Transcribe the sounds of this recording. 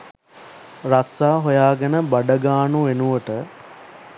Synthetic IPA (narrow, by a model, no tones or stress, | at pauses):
rasaːɦojaːɡenəbaɖəɡaːnuʋenuʋəʈə